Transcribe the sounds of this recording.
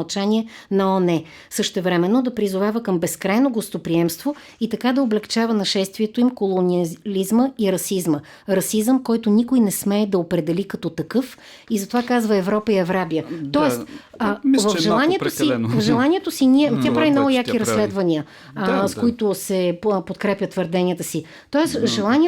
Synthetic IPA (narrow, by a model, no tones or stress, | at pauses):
lˠt͡ʃanʲiɛ | nɐɔnɛ | sɤʃt̪ɛvɾɛmɛnːod̪ɐpɾizʊvavəkəmbɛskɾajnoɡost̪opɾiɛmst̪vo | it̪ɐkad̪ɐoblɛkt͡ʃavənɐʃɛst̪vʲiɛt̪oimkolˠonʲiəlʲizməiɾɐsizmə | ɾɐsizəmkɔjt̪ʊnikʊjnɛsmɛːd̪ɐopɾɛd̪ɛlikɐt̪ɔt̪ɐkɤf | izɐt̪ovakazvəɛvɾɔpəiɛvɾabiət̪ɔɛst̪ː | vəfʒɛlˠaniɛosivvvʒɛlˠanʲiɛt̪osiniɛt̪ʲapɾavinɔvʊjak̪iɾɐsːlɛd̪vɐnʲiə | skoit̪ʊsɛpot̪kɾɛpʲət̪vəɾd̪ɛnʲiət̪əsi | t̪ɔɛsʒɛlˠanʲi